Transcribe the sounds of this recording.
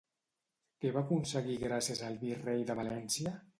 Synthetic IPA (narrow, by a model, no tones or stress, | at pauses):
keβakunsəɣiɣɾasjezəlˠβirejðəβalɛnsiə